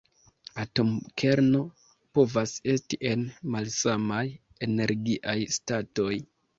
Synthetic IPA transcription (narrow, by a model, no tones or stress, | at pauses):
ato̞mkʰe̞ɾno̞ | po̞vase̞stiʔe̞nmalsamaj | e̞ne̞ɾɡiʔajstato̞j